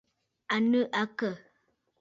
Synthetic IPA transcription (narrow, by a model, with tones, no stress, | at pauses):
a˨nə˦ʔa˦kə˦˨